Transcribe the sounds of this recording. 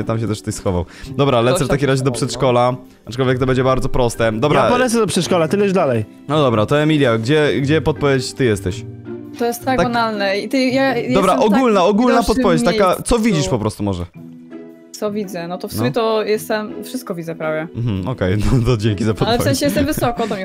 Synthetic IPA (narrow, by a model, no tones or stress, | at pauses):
t̪amɕ̬ɛt̪ɛʂft̪ɛjsxɔvaw | d̪ɔbɾalɛtsɛft̪akʲimɾaʑɛd̪ɔpʂɛt̪ʂkɔla | aʈ͡ʂkɔlvʲjɛk̚t̪ɔbɛɲd͡ʑɛbaɾd̪zɔpɾɔst̪ɛd̪ɔbɾaapɔlɛt̪sɛd̪ɔpʂɛt̪ʂkɔlat̪ɘlɛzd̪alɛj | nɔd̪ɔbɾat̪ɔɛmʲilʲjaɡd͡ʑɛɡd͡ʑɛpɔt̪̚pɔvʲjet͡ɕt͡ɕt̪ɘjɛst̪ɛɕt̪ɔjɛst̪ːak̪abanalnɛit̪ɨjajd̪ɔbɾaʔɔɡulnaɔɡulnapɔt̪̚pɔvjet͡ɕt̪akat̪sɔvʲid͡ʑiʂpɔpɾɔst̪umɔʐɛ | t̪sɔvʲid̪zɛnɔt̪ɔfsbjɛt̪ɔjɛst̪ɛmfʂɨst̪̚kɔvʲid̪zɛpɾavjɛm̩mm̩ɔkɛjnɔt̪ɔd͡ʑɛŋkʲizapɔt̪lɛfvɛ̃ɕɛjɛst̪ɛmvɨsɔkɔt̪ɔm